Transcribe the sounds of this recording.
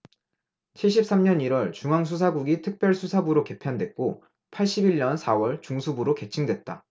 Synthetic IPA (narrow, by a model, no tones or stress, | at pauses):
t͡ɕʰeɕʰip̚s͈amɲʌniɾwʌɭt͡ɕuŋaŋs̬ʰus̬ʰaɡuɡitʰɯk̚p͈jʌɭsʰusʰabuɾoke̞pʰjandwe̞t̚k͈o | pʰaɭɕ͈ibiɭɲʌnsʰawʌɭt͡ɕuŋsʰubuɾoke̞t͡ɕʰiŋdwe̞t̚t͈a̰